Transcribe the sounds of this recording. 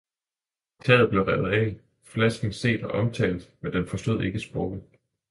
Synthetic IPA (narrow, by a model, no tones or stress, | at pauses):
t͡sʰɛːð̩ˠble̝ʊʁɛðˠɛ̰ | flæsɡ̥ŋ̩se̝̰ːd̥ɒ̽ʔɒ̽mt͡sʰɛ̰ːld̩ˠmend̥enfɒ̽sd̥o̝ð̰ˠe̝ɡ̥əsb̥ʁɔɡ̥ð̩ˠ